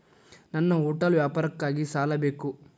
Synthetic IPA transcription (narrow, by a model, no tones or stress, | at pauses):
nɐnːɐuːʈɐlʋjaːpaːɾɐkːaːɡisaːlɐbe̞ːku